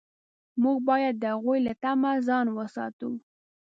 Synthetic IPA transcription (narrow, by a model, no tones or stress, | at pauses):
muɡ̚bɑjad̪̚ːəhaɣujlat̪amazɑnwəsɑ̰t̪u